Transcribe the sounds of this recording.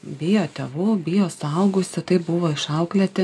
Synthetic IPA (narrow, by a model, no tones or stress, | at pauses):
bʲɪjoːt̪ʲɛʋʊbʲɪːjoːsɐʊɡʊsʲɪt̪ɐɪbʊʋoːɪʃɐʊklʲɛt̪ʲɪ